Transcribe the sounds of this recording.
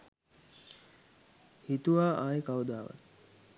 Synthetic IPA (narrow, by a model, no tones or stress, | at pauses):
hit̪uʋaːʔaːjəkaud̪aːʋa̰t̪